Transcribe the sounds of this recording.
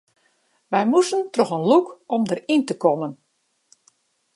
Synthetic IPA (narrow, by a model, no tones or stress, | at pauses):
ʋɛjmusəntrɔxənlukɔmdərintəkɔmən